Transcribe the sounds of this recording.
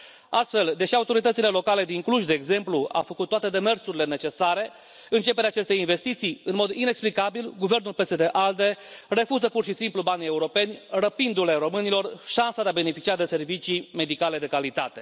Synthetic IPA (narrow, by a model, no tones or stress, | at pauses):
ast̪fe̞ld̪e̞ʃiaut̪o̞ɾit̪ət̪sile̞lo̞kale̞d̪iŋkluʃd̪e̞ːɡze̞mplua̰fəkut̪ːoat̪e̞d̪e̞me̞rsuɾile̞ne̞t͡ʃe̞saɾe̞ | ɨnt͡ʃe̞peɾeat͡ʃe̞st̪e̞inve̞st̪it̪sijɨnmo̞d̪ine̞ksplikabilɡuve̞rnulpe̞sed̪e̞ʔald̪e̞re̞fuzəpurʃisimplubanie̞uɾo̞pe̞nʲrəpind̪ule̞ɾo̞mɨnilo̞rʃansad̪eabe̞ne̞fit͡ʃiad̪e̞se̞rvit͡ʃime̞d̪ikale̞d̪e̞kalit̪at̪e̞